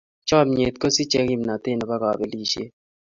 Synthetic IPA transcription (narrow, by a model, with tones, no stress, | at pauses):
t͡ʃɔ˦˨mɲe˨t̪̚ko˦si˦t͡ʃe˦ki˦mna˨t̪ɪ˦˨nɔ˨ba˦kɔ̰˨be˦li˦˨ʃḛ˦